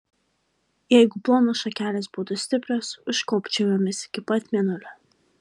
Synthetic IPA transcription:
jɛɪɡʊplˠoːnosʃɐkʲæːlʲɛsbʊt̪ʊsʲt̪ʲɪpʲɾʲosʊʃkɔʊpʲt͡ʃʲɛʋʲomʲɪsɪ̥kʲɪpɐt̪ʲmʲiɛnʊlʲʊ

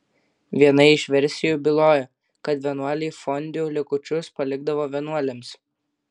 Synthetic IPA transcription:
ʋʲiɛnɐɪɪʃʋʲɛɾʲsʲɪjuːˑbʲɪlˠoːjɛ | kɐt̪ʋʲɛnuɐlʲiːfɔnʲd̪ʲuːlʲɪkʊt͡ʃʲʊspɐlʲɪɡd̪ɐʋoːʋʲɛnuɔlʲɛms

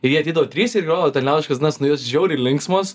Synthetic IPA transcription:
ɪjiːɐt̪ʲɛɪd̪ɐʋoːt̪ʲɾʲiːsɪɾɡʲoːoːt̪ʲɛnʲlʲæːʊɪʃkɐsd̪ʲnɐsnʊjoːsʒʲɛʊɾʲɪlʲɪŋksmos

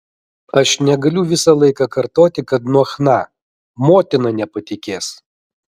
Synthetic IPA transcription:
ɐʃnʲɛɡɐlʲʊʋʲɪsɐlˠɐɪkɑkɐɾt̪oːt̪ʲɪkɐt̪nuɔxnɑ | moːt̪ʲɪnɐnʲɛpɐt̪ʲɪkʲeːs

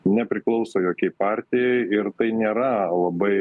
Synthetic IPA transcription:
nʲɛpʲɾʲɪklˠɐʊsoːjoːkʲɛɪpɑːɾʲt̪ʲɪjɛɪɪɾt̪ɐɪnʲeːɾɐlˠɐbɐɪ

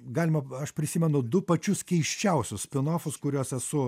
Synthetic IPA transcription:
ɡɑːlʲɪmɐɐʃpʲɾʲɪsʲimʲɛnʊd̪ʊpɐt͡ʃʲʊskʲɛɪʃʲt͡ʃʲɛʊsʲʊssʲpʲɪnoːfʊskʊɾʲuːsɛsʊ

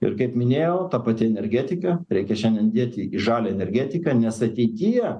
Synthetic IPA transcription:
ɪ̰ɾkɐɪpmʲɪnʲeːjoːt̪ɑpɐt̪ʲɪɛnʲɛɾʲɡʲæːt̪ʲɪkɐɾʲɛɪkʲɛʃʲɛndʲɛnd̪ʲiɛt̪ʲɪiʒɑːlʲɛɛnʲɛɾʲɡʲæːt̪ʲɪkɑnʲɛsɐt̪ʲɛɪt̪ʲijɛ

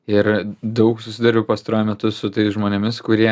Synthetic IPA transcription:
ɪɾd̪ɐʊksʊsʲɪd̪ɐɾʲʊpɐːst̪ɐɾoːjʊmʲɛt̪ʊsʊt̪ɐɪsʒmoːnʲɛmʲɪskʊɾʲiɛ

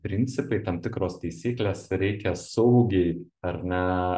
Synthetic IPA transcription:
pʲɾʲɪnʲtsʲɪpɐɪt̪ɐmt̪ʲɪkɾoːst̪ɐɪsʲiːklʲeːsɾʲɛɪkʲɛsɐʊɡʲeɪɐɾnʲɛ

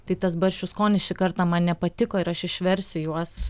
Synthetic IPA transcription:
t̪ɐɪt̪ɐsbɐɾʲʃʲt͡ʃʲuskoːnʲɪsʃʲɪkɐɾt̪ɑːmɐnnʲɛpɐt̪ʲɪkoːɪɾɐʃɪʃʲʋʲɛɾʲsʲʊjuɔs

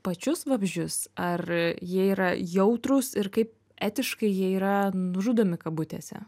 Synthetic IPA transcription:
pɐt͡ʃʲʊsʋɐbʲʒʲd͡ʒʲʊsɐrjiɛiːɾɐjɛʊt̪ɾʊsɪrkɐɪp̚ | æːt̪ʲɪʃkɐɪjiɛiːɾɐnʊʒuːd̪oːmʲɪkɐbʊt̪ʲḛːsʲɛ̰

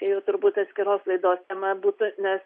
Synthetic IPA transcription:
kɐɪjɛʊt̪ʊɾbuːt̪ɐt̪ʲsʲkʲɪɾoːslˠɐɪd̪oːst̪ʲɛmɐbuːt̪ʊnʲɛs

